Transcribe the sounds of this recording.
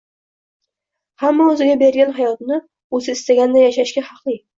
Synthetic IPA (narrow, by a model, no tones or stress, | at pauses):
hamːaɵzɪɡʲabe̞ɾɡʲanɦajɒt̪nɪ | ɵzɪɪst̪aɡʲand̪ajaʃaʃɡʲahɑqlˠɪ